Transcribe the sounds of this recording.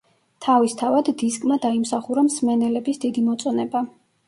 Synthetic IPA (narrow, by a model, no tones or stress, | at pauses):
t̪ʰavist̪ʰavad̪ːiskʼmad̪aimsaχuɾamsmɛnɛlɛbisd̪id̪imɔt̪sʼɔnɛba